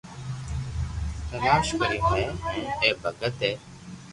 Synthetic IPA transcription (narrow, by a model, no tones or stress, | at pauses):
t̪əlaːʃkəɾĩːmeːɛ̃ːeːbʱəɡət̪ɦeː